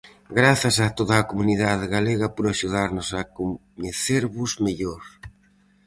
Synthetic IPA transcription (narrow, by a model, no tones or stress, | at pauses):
ɡɾaθɐsat̪oðɐːkomuniðað̞eɣaleɣɐpoɾaʃuð̞aɾnʊsakoɲeθeɾβʊzmeʎoɾ